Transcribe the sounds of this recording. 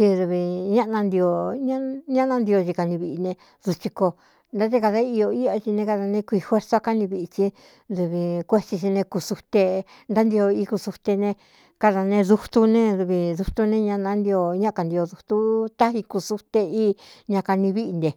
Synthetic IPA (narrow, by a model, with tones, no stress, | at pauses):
t͡ʃi˧ðu˧βi˧ɲã˦ʔnã˧nd̪i˧o˧ɲã˦ɲã˦nã˧nd̪i˧o˧t͡ʃi˧ka˧nĩ˧βi˧ʔi˧nẽ˧ | ðu˧t͡ʃi˧ko˧ | nd̪a˦t̪e˦ka˧ða˧˦i˧o˧i˦a˧t͡ʃi˧nẽ˧ka˧ða˧nẽ˧kʷi˧hwe˦ɾsa˦ka˦nĩ˧βi˧i˧t͡ʃi˧ | ðu˧βi˧kʷe˦˧t͡ʃi˧t͡ʃi˧nẽ˧ku˧su˧t̪e˧ | nd̪a˦nd̪i˧o˧i˧ku˧su˧t̪e˧nẽ˧ | ka˧ða˧nẽ˧ðu˧t̪u˧nẽ˦ðu˧βi˧ðu˧t̪u˧nẽ˦˧ɲã˧nã˧˦nd̪i˧o˧ɲã˦˧ka˧nd̪i˧o˧ðu˧t̪u˦t̪a˦ɦi˧ku˧su˧t̪e˧iː˦ɲã˧ka˧nĩ˧βi˦ʔi˧nd̪e˨